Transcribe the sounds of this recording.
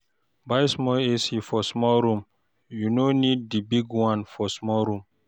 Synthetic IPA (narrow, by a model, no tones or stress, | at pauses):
bajsmɔlesifɔsmɔlɾũm | junonid̚dibiɡwãnfɔsmɔlɾũm